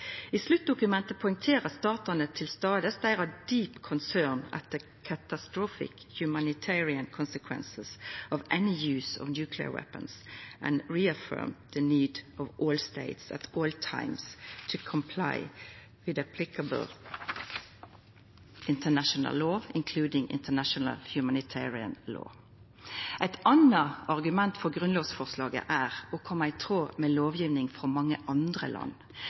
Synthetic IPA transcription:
islʉt̪̚d̪ʊkʉmɛnt̪əpʰɔɪ̃ŋt̪ʰeːʁəst̪ɑːt̪ʊnət̪ʰɪlst̪ɑːd̪əsd̪æɪʁɑd̪yːpkʰɔnsænɛ̰t̪ːə | kʰæt̪ɑst̪ɹoːfɪ̰k | jʉmænɪt̪ʰɛɹɪənkʰɔnsəkʰwɛ̰nsəsɔʋʔɛnɪjʉːsɔ̰ʋnjʉːkʰlɪə̰wɛ̰pə̰̃nsʔə̰̃nɹiəfɜ̰ːmðəniːd̪ʔɔʋʔoːlst̪eɪt̪sæ̰t̪ʰoːlt̪ʰã̰ɪmst̪ʰəkʰɔmpʰla̰ɪ | wɪðæpʰlɪkəbəl̩ | ʔɪnt̪ʰənæʃɔnə̰lːoːɪnkʰlʉːd̪ɪŋɪ̰nt̪ənæʃɔnə̰lhjʉmænɪt̪ʰæːɹɪə̰nlo̰ː | ʔɛɪt̪ɑnəɑʁɡʉmɛnt̪fɔʁɡʁʉnloːsfɔʁslɑːɡə̰ʔæːʁɔkʰɔmːəɪt̪ʰʁoːmeːloːʋjiːʋnɪŋfʁɑmɑŋːəʔɑnd̪ʁə̰lʔɑ̰nː

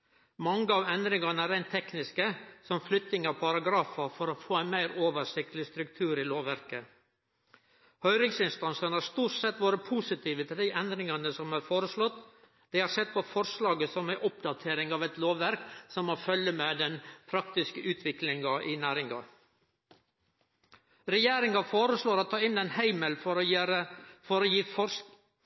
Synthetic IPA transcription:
mɑŋːəɑːʋɛnd̪ɾɪŋɑnəæɾæɪnt̪ʰɛknɪskəsɔmflʏt̪nɪŋɑpʰɑɾɑɡɾɑːfɑfɔɾofoːæɪnmæɪɾoːʋəʂɪk̚t̪lɪst̪ɾʉk̚t̪ʰʉːɾɪloːʋʋæɾkə | hœʏɾɪŋsɪnst̪ɑnsənəhɑːɾst̪uːʈsɛt̪ːʋoːɾəpʰuːsɪt̪ʰiːʋət̪ʰɪld̪ɪʔɛnd̪ɾɪŋɑnəsɔmhæɾfoːɾəʂlɔt̪ː | d̪̥ɛhɑːɾsɛt̪̚ːpʰɔfɔɾʂlɑːɡəsɔmæɪʔʊpd̪ɑt̪ʰeːɾɪŋɑːʋɛt̪loːʋʋæɾksɔmːoːfœlːəmed̪ɛnpʰɾɑkt̪ɪskəʔʉːt̪ʰʋɪklɪŋɑʔɪnæːɾɪŋɑ̰ | ɾɛjeːɾɪŋɑfoːɾəsloːɾot̪ʰɑːɪnːɛɪnhæɪməlfɔɾɾəfɔɾɔjiːfɔ

